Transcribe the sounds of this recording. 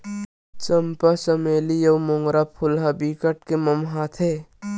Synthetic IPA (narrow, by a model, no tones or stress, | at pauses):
t͡ʃɐmpasɐmeːlijɐwmõŋɡɾapʰʊlɦabiːkəʈkemɐmɦaːt̪ʰe